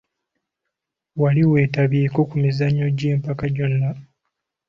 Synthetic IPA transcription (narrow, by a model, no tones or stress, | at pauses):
waliwe̞ːtaβiːko̞kumizaɲːo̞ɟe̞ːmpakaɟo̞nːa